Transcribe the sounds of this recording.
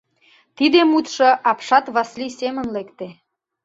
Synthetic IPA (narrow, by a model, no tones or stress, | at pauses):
t̪id̪emut̪ʃoʔɑpʃɑt̪βɑslisemənlekt̪e